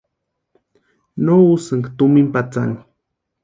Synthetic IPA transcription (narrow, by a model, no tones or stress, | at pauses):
nousɨŋkt̪umimpat͡sa̰ni